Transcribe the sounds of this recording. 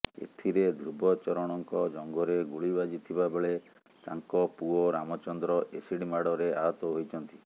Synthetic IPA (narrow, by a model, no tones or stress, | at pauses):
ḛt̪ʰiɾed̪ʱɾubʱɔt͡ʃɔɾɔɽ̃ɔŋkɔd͡ʒɔŋɡɔɾeɡuɭibad͡ʒit̪ʰibabeɭe | t̪a̰ŋkɔpuɔɾamɔt͡ʃɔnd̪ɾɔʔesiɽimaɽɔɾeaɦɔt̪ɔɦojt͡ʃʰɔnt̪i